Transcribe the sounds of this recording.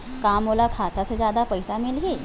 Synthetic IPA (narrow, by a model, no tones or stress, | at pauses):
kamolakʰat̪ased͡ʑjad̪apəjsamilɦi